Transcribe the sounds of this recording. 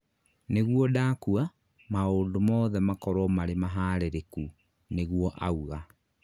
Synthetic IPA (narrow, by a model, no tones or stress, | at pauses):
neɣwɔdaːkua | maondomɔːðɛmakɔɾwɔmaɾemaɦaːɾeɾeku | neɣwɔʔa̰uɣa